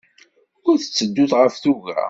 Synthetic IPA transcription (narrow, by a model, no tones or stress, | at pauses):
ʊɾθə̥t͡sːəd̪ːʊθʁəfθuʝa̰